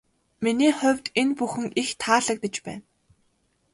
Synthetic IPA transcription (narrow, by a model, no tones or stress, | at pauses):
miniːχʊ̟wʲt̪enpuxɘ̆ŋixt̪ʰaːɮə̆k̚t̪ə̆t͡ɕpæ̰ːn